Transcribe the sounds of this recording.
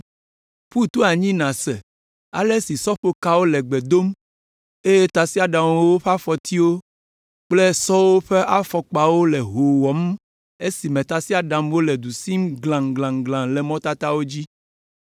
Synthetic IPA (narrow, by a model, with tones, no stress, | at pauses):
ɸu˦t̪u˦a˨ɲĩ˦nã˨sɛ̰˨ | a̰˨le˦si˨sɔ˦ɸo˦ka˦wo˦lɛ˨ɡ͡bɛ˨d̪o˦m | e˦je˦t̪a˨si˦a˨ɖa˨m˦wwo˦ɸa˦fɔ˨t̪i˦wo˦ | k͡ple˦sɔ˦wo˦ɸe˦ʔa˦fɔ˨k͡pa˨wo˦lɛ˨ɦo˨wɔ˨m˦ | e˦si˨mɛ̃˨t̪a˨si˦a˨ɖa˨mwo˦lɛ˨d̪u˨si˦mɡlã˨ŋɡlã˨ŋɡlã˨lɛ˨mɔ̃˦t̪a˦t̪a˦wo˦d͡ʑi˦